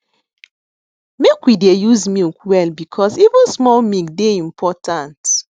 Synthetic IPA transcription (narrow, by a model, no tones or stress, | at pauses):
mekwidejuzmilkwɛlbikʰɔzivə̃nsmɔlmilkdeĩmpʰɔtʰãnt